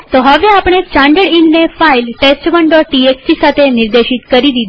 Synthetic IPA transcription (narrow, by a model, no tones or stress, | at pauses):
tt̪oɦəʋeapɽ̃et͡ɕãɳɖəɽinnefailʈesʈʋəɳɖɔʈʈieksʈisat̪ʰeniɾd̪eʃit̪kəɾid̪id̪